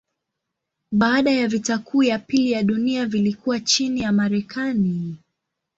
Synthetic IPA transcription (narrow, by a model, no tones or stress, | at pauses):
ɓaːɗajavitakʰuːjapilijaɗuniavilikuwat͡ʃinijamaɾɛkʰani